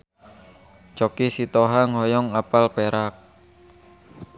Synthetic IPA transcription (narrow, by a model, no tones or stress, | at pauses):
t͡ʃɔkisit̪ɔɦaŋɔjɔŋapalpeɾak̚